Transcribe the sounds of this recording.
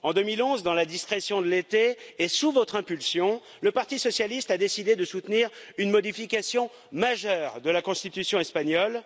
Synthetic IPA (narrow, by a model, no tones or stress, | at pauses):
ɑ̃d̪əmilɔ̃zd̪ɑ̃lad̪iskχesjɔ̃d̪əlet̪eesuvɔt̪χɛ̃pylsjɔ̃ | ləpaʁt̪isɔsjalist̪ad̪esid̪ed̪əsut̪niʁynmɔd̪ifikʲasjɔ̃ | maʒœːʁd̪əlakɔ̃st̪it̪ysjɔ̃ɛspaɲɔl